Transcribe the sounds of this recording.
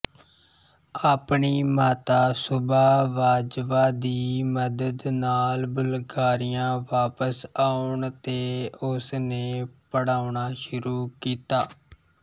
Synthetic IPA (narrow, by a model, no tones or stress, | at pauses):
aːpɳiːmaːt̪aːsʊbaːʋaːd͡ʒʋaːd̪iːməd̪əd̪naːlbəlɡaːɾɪjãːʋaːpəsaːʊɳt̪eːʊsneːpəɽaːʊɳaːʃʊɾuːkiːt̪aː